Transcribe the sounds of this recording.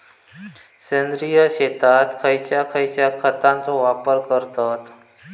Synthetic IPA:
sẽnd̪ɾijəɕet̪at̪kʰəjt͡ʃakʰəjt͡ɕjakʰət̪ãnt͡soʋapəɾkəɾt̪at̪

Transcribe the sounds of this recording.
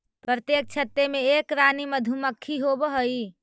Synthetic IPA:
pɾət̪jek̚t͡ʃʰət̪ːemeekɾaniməd̪ʱuməkʰːiɦobɦəi

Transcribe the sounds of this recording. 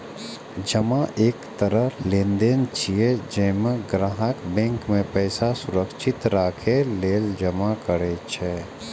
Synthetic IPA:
d͡ʒəmaʔeːkt̪əɾəɦlẽnd̪ent͡ʃʰied͡ʒɛ̃meɡɾaɦəkbɛ̃ŋkmẽpɛːsasuɾəkʃʰit̪ɾaːkʰeleːld͡ʒəmakəɾɛt͡ʃʰɛ

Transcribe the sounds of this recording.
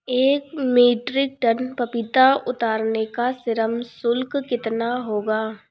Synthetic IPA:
eːkmeːʈɾɪk̚ʈənpɐpɪt̪aʊt̪aːɾnekasɪɾəmsʊlkkɪt̪naɦoːɡaː

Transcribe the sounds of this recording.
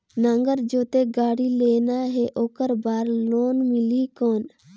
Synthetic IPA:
nə̃ŋɡəɾd͡ʒoːt̪eɡaːɽileːnaɦɛʔoːkəɾbaːɾloːnmɪlikɔːn

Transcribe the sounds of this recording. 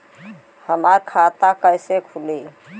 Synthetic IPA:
həmaɾkʰat̪akəjsekʰuli

